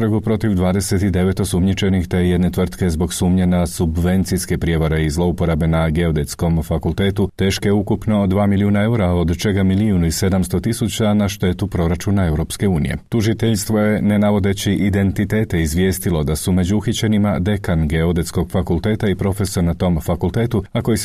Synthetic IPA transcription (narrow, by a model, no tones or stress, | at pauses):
ɾɡupɾo̞t̪iʋd̪ʋaːd̪e̞se̞t̪id̪e̞ʋe̞t̪o̞sumɲit͡ʃe̞nixt̪e̞je̞d̪ne̞t̪ʋr̩t̪ke̞zbo̞ɡsuːmɲe̞nasubʋe̞nt̪sijske̞pɾje̞ʋaɾeizlˠo̞upo̞ɾabe̞naɡe̞od̪e̞t̪sko̞mfakult̪e̞ːt̪ut̪e̞ːʃkeukupno̞d̪ʋaːmiliuːnae̞uɾao̞d̪t͡ʃe̞ɡamiliunuise̞d̪amst̪o̞t̪isut͡ɕanaʃt̪e̞ːt̪upɾo̞ɾat͡ʃuːnae̞wɾo̞pske̞uːnḭjḛt̪uʒit̪eʎst̪ʋo̞je̞nenaʋo̞d̪e̞t͡ɕiʔid̪e̞nt̪it̪e̞ːt̪eizʋje̞ːst̪ilo̞d̪asume̞d͡ʑuuxit͡ɕenimad̪e̞kanɡe̞od̪e̞t̪sko̞ɡfakulˠt̪e̞ːt̪aipɾo̞fe̞sonat̪o̞ːmfakulˠt̪e̞ːt̪uako̞ji